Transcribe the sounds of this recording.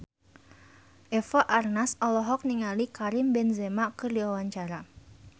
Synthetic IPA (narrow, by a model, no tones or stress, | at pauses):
ʔɛfaʔarnasɔlɔɦɔk̚niŋalikaɾɪmbɛnzɛmaʔkərdiwawaɲt͡ʃaɾa